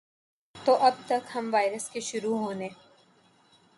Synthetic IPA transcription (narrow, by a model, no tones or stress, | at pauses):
t̪oːʔɐb̚t̪ɐkhɐmʋaːɪɾəskeʃʊɾuɦoːneː